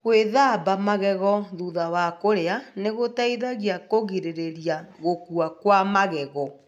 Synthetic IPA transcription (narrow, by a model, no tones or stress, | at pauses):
ɣweðabamaɣɛɣɔðuðawakoɾeaneɣotaiðaɣiakoɣiɾeɾeɾiaɣokuakwamaɣɛɣɔ